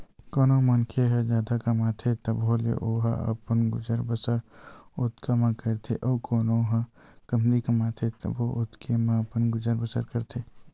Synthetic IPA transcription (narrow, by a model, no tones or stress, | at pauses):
koːnomɐnkʰeɦɛd͡ʒjaːd̪akɐmat̪ʰet̪əbolḛʔoːɦa̰ə̰pənɡʊd͡ʒəɾbəsəɾʊt̪kʰamãkət̪ʰeʔɔːkoːnoɦãkəmd̪ikɐmat̪ʰet̪ɐ̰bʱoʔʊt̪kʰemãəpənɡʊd͡ʒəɾbəsəɾkəɾt̪ʰeː